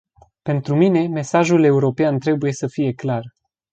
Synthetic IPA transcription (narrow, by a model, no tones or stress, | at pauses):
pe̞nt̪ɾumine̞me̞saʒule̞uɾo̞peant̪ɾe̞buje̞səfije̞klar